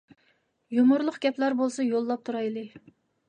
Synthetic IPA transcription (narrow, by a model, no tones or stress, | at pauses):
jomʊɾlˠʊqɡʲɛplæɾbolˠsɑjolˠːɑp̚t̪ʰuɾɑjlˠɨ